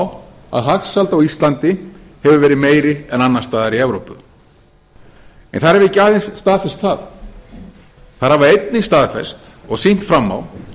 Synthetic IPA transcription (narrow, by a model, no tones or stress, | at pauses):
w | a̰ðɦaxsalt̪awist̪lant̪ɪ | hɛvʏvɛːɾɪðmeːjɾɪɛnanːḁst̪aːðaɾiɛvɾowpʏ̰ | ɛ̰nθaðɾɛvɪcːaːðɪnsst̪aːðfɛst̪θaθ | θaɾhavaejt̪nɪnst̪aːðfɛ̰st̪ɔɣsin̥t̪fɾamːa̰w